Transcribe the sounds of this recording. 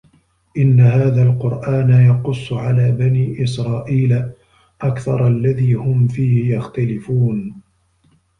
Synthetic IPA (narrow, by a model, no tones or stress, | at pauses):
ʔɪnːaɦaːðaːlqʊɾˤʔaːnajɑqʊsˤːʊʕalaːbaniːʔɪsɾˤɑːʔiːla | ʔakθɑ̰ɾˤalːaðiːhʊmfiːhɪjɑxt̪alɪfuːn